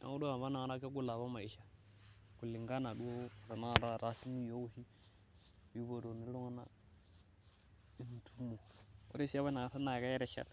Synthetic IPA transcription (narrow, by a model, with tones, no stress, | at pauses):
a̰˨ŋu˦do˦a˨βa˦na˨ŋ˦ɾa˦ke˦ɡu˦la˨βa˦ma˨i˨ʃa˦ | ku˨li˨ŋɡa˦na˨du˦o˦˨ɾa˨na˦˨ɾa˦˨ɾa˦si˦mi˦jo˦hi˦ | bi˦bo˨do˨ni˨˦lo˦ŋa˦na̰˦ | i˦n˨tu˦mo˨o̰˦ɾi˦si˦a˦βa˦na˨ŋa˨sa˦na˨ka˦ɛ˦ɾe˨ʃa̰˦˨l